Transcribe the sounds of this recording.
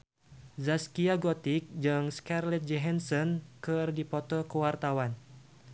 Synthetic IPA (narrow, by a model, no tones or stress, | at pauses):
zaskiaɡɔt̪ik̚d͡ʒɨŋskarlɛt̪̚d͡ʒɛɦɛnsɔnkɨrdipɔt̪ɔkəwart̪awan